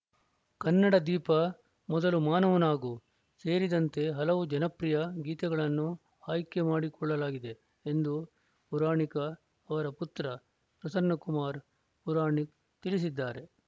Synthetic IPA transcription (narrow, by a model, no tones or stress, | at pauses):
kɐnːɐɽɐd̪iːpɐ | mɔd̪ɐlumaːnɐʋɐnaːɡu | se̞ːɾid̪ɐnt̪e̞ɦɐlɐʋud͡ʒɐnɐpɾijɐɡiːt̪ɛɡɐɭɐnːu | aːjkemaːɽikɔɭːɐlaːɡid̪e̞ | end̪u | puɾaːɳikɐː | ʋɐɾɐput̪ɾɐ | pɾɐsɐnːɐkumaːɾ | puɾaːɳi | t̪ilis̬id̪ːaːɾe̞